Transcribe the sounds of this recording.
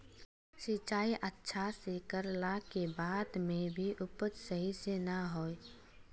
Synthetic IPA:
sɪt͡ʃaːiʔətːʃʰasekəɾlakebaːd̪mẽbʱiʔʊpət̪səɦisenəɦoːe

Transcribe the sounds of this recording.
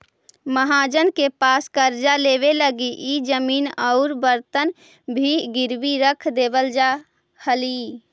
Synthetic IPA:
məɦaːd͡ʒənkepaːskəɾd͡ʒaleːʋeləɡiʔid͡ʒəmiːnəʊɾbəɾt̪ən | bʱiɡɪɾwiɾəkʰd̪eːbəld͡ʒa | həliː

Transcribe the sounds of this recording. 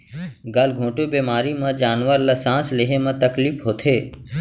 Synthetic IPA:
ɡəlɡʱõːʈobeːmaːɾimãd͡ʒaːnʋəɾlɐsãːslɪɦemãt̪əkliːpɦoːt̪ʰeː

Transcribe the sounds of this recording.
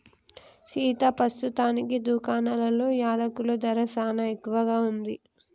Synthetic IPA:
siːt̪apɾɐst̪ut̪aːnikid̪uːkaːnɐlɐlo̞ːjaːd̪ɐkulod̪ɐɾɐsaːnɐekːuʋɐɡaːund̪i

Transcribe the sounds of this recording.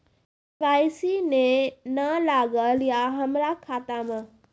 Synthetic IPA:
pɾaːisinẽnɐlaːɡəljaɦɐmɾakʰaːt̪amã

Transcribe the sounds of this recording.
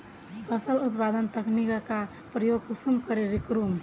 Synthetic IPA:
pʰəsəlut̪pad̪ənt̪əknikəka | pɾəjoɡkusumkəɾeɾikɾum

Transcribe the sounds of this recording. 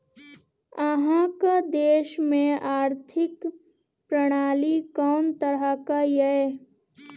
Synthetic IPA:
əɦãkad̪eːʃmẽaːɾt̪ʰɪk | pɾəɽ̃aːlikɔːnt̪əɾəkajɛe

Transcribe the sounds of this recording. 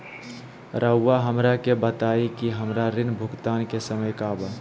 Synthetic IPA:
ɾəwːaɦəmɾakebət̪aikiɦəmɾaɾɪnbʱʊkt̪aːnkesəməjkaːbə

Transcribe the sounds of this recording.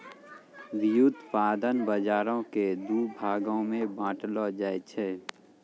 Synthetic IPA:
ʋɪjud̪paːd̪ənbəd͡ʒaːɾõked̪uːbʱaːɡõmẽbãːʈlɔd͡ʒaːet͡ʃʰɛː

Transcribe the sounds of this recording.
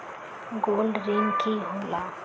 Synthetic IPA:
ɡoːlɖɾeŋkiɦola

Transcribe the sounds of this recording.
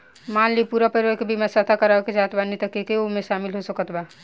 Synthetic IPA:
mallipuɾapəɾʋəkebʱimasət̪ʰakəɾaked͡ʒat̪banit̪əkekeomeʃamilɦosəkət̪ba

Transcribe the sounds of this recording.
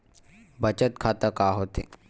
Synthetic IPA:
bət͡ʃət̪kʰaːt̪əkaːɦoːt̪ḛ

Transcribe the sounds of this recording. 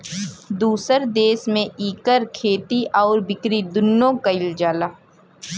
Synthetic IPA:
d̪uːsəɾd̪eːsmẽʔiːkəɾkʰeːt̪iʔɔːɾbɪkɾid̪ʊnːõkəɪld͡ʒaːlaː

